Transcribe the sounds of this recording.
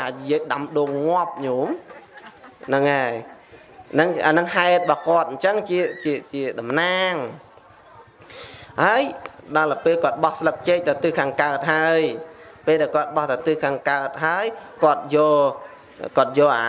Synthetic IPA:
ajiək̚ɗamɗoːŋŋŏəp̚ɲoːm | nɨŋaɛ | nɨŋa̰nɨŋhaɛt̪̚əɓɑhkŏət̪̚ɲt͡ɕəŋt͡ɕiət͡ɕiət͡ɕiəɗɑmnaːŋ | haəjɗɑːlapeːlkŏət̪̚ɓɑhslək̚t͡ɕeːc̚t̪awt̪ɨːkʰaːŋkaət̪̚ɦaəj | peːlɗaɛlkŏət̪̚ɓɑht̪at̪ɨːkʰaːŋkaət̪̚ɦaəjkŏət̪̚jɔː | kŏət̪̚jɔːʔa̰

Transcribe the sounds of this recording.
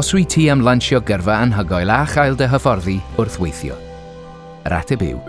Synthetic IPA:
ɔsrwitʰiːamlˠanʃjɔɡərvaanɦəɡɔjlˠaχajlˠdəɦəfɔrðiʊrθwejθjɔ̰ | ɾʔa̰tʰɛbɪ̰w

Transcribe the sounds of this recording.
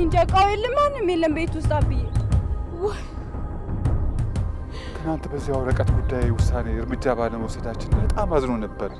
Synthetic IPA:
ɨnd͡ʒakʼːawjɛlːɨnmanːɨmjelːəmbe̞t̪wʊst̪ʼabɨjːelw | t̪ʰɨnant̪bəzːihawɾəkʼət̪ɡud̪ːajewʊsːaneɨɾmɨd͡ʒːaβaləməwsəd̪at͡ʃːɪnbət̪ʼamːazno̞nəbːəɾ

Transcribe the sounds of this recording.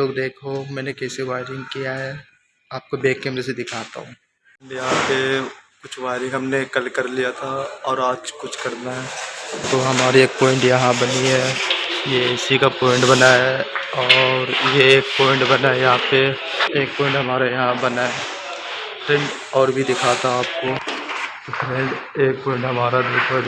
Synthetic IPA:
oːɡd̪eːkʰomɛ̃ːnekɛːseʋaːɪɾɪ̃ŋɡkijaɦɛ | aːp̚kobeːkːeːmɾesed̪ɪkʰaːt̪a̰ɦũː | jɐɦãpekʊt͡ʃʰʋaːɪɾɪ̃ŋɡɦɐmnekɐlkɐɾlijat̪ʰaɔːɾaːd͡ʒkʊt͡ʃʰkɐɾnaɦɛt̪oɦɐmaːɾieːk̚pɔːɪ̃ɳʈjɐɦãbɐniɦɛjeɪsikapɔːɪ̃ɳʈbɐnaɦɛɔːɾjeeːk̚pɔːɪ̃ɳʈbɐnaejɐɦãpe | eːk̚pɔːɪ̃ɳʈɦɐmaːɾajɐɦãbɐnae | pɾɛ̃ɳɖ | ɔːɾbʱid̪ɪkʰaːt̪aɦaːp̚kot̪opʰɾɛ̃ɳɖeːk̚pɔːɪ̃ɳʈɦɐmaːɾad̪eːkʰo

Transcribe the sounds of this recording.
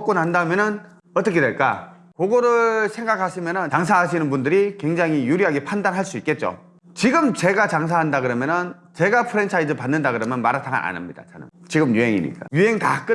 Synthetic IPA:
k͈onhandamjʌnɯn | ʌt͈ʌkʰedweɭk͈a̰ | koɡoɾɯɭsʰe̞ŋɡakʰaɕʰimjʌnɯnt͡ɕaŋs̬ʰaɦaɕ̬ʰinɯnbundɯɾikwe̞ŋd͡ʑaŋijuɾiɦaɡepʰandanɦaɭs͈uik̚k͈e̞t̚t͡ɕ͈o̰ | t͡ɕiɡɯmt͡ɕe̞ɡat͡ɕaŋs̬ʰaɦandaɡɯɾʌmjʌnɯn | t͡ɕe̞ɡapʰɯɾent͡ɕʰaid͡ʑɯɭpanːɯndaɡɯɾʌmjʌnmaɾatʰaɡa̰na̰nɯmɲid̥a̰t͡ɕa̰nɯ̰mt͡ɕiɡɯmjuɦe̞ŋḭɲḭk͈ajuɦe̞ŋta̰k͈ɯ

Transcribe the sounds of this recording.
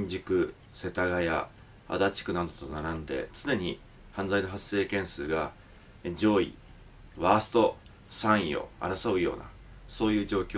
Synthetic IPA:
ɲd͡ʑikɯ̟ | se̞t̪aɡaja̰ | a̰d̪at͡ɕi̥kɯ̟nad̪o̞t̪o̞naɾãnd̪e̞̰t͡sɨne̞ɲ̟i | hãnd͡zaino̞ɦase̞ːkẽ̞ɰ̃sɨːɡa | d͡ʑo̞ːḭ | βasɨ̥t̪o̞ | sãɰ̃io̞̰a̰ɾasobɯ̟jo̞̰ːna̰ | so̞ːjɯ̟ːʑo̞ːkʲo

